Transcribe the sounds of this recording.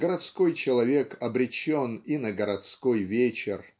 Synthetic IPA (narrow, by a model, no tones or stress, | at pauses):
ɡ̥əɾɐt̪sko̞jt͡ɕɪlˠɐvʲe̞kɐbɾʲɪt͡ɕːoninəɡəɾɐt̪skojvʲet͡ɕɪr